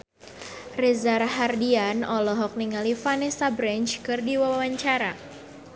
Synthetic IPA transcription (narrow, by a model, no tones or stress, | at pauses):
rɛzarɦardianɔlɔɦɔk̚niŋalifanɛsabɾɛnt͡ʃkɨrdiwawawaɲt͡ʃaɾa